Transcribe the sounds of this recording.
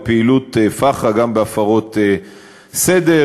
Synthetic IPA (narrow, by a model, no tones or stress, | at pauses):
piilut̪efaχaɡambeafaʁo̞t̪e | sed̪e